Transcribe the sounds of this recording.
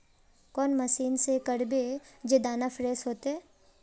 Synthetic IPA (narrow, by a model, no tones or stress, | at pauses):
kɔːnmɐsiːnsekəɽbed͡ʒed̪aːnafɾeːsɦoːt̪eɛː